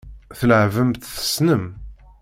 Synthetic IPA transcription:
θləʕvəmt̪θə̥snəm

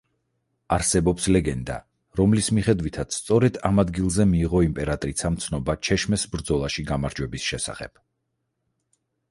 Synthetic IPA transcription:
aɾsɛbɔpslɛɡɛnd̪a̰ | ɾɔmlismiχɛd̪wit̪ʰat̪sʰst̪sʼɔɾɛd̪̥amad̪ɡilˠzɛmiːʁɔimpʼɛɾat̪ʼɾit̪sʰamt̪sʰnɔbat͡ʃʰɛʃmɛsbɾd̪zɔlˠaʃiɡamaɾd͡ʒwɛbisʃɛsa̰χɛ̰b̥

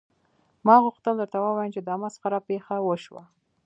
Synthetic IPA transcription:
mɑɣʊxt̪əld̪əɾt̪awəwɑjəmt͡ʃed̪əamasqaɾapexawəʃwa̰

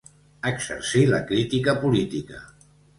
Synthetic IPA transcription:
əksə̰ɾsiləkɾit̪ikəpulit̪ikə̰

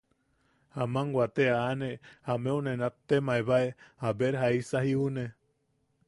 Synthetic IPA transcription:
hamaŋɡwat̪eaːnehameunenat̪ːemaeβaehabeɾɦaisahiune

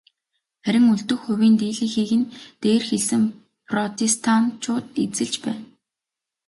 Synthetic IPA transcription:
χæɾʲɪ̆ŋɵɮt̪ɵ̆xxɵwiːnt̪eːɮĭːxiːɣɘ̆nt̪eːrxeɮsɘ̆ŋ | pʰrɔt̪ʰest̪ʰant͡ɕʰʊːt̪et͡sɘ̆ɮt͡ɕpæːn

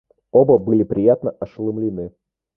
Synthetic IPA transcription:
obəbɨlʲɪpɾʲɪjat̪nəɐʂlˠɨmlʲinɨ

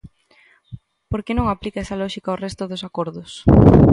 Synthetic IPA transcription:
poɾkenõŋaplikaɛsɐlɔʃikɐorɛst̪ʊðʊsakoɾðʊs

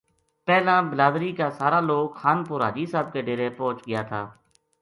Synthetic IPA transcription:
pɛːlãːbəlaːd̪ɾiːkaːsaːɾaːloːkxaːnpʊɾa̰ːd͡ʒiːsaːb̚keːɖeːɾeːpɔ̃ːt͡ʃɡɪjaːt̪ʰaː

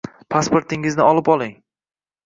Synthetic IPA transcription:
pʰaspoɾt̪ʰɪŋɪznɪɒlˠɪpɒlˠɪŋ

